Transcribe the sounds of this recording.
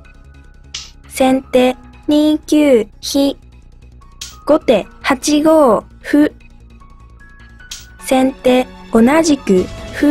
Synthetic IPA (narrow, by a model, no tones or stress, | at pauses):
sẽ̞nt̪eːɲiːkʲjɨːçi | ɡ̥o̞t̪e̞hat͡ɕiɡo̞ː | ɸɯ̟ | sẽ̞nt̪e̞ːo̞naʑikɯ̟ɸɯ̟